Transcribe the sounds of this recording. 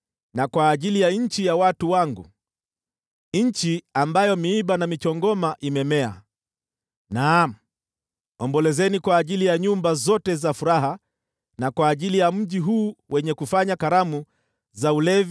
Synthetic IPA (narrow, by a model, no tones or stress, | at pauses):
nakwaːʄilijaɲ̩t͡ʃijawatuwaŋɡṵ | ɲ̩t͡ʃiambajɔmiiɓanamit͡ʃɔŋɡɔmaʔimɛmɛa̰ | nam̩ | ɔmbɔlɛzɛnikwaːʄilijaɲumbazɔtɛzafuɾaɦa | nakwaːʄilijam̩ʄiɦuːwɛɲɛkufaɲakaɾamu | zaulɛvi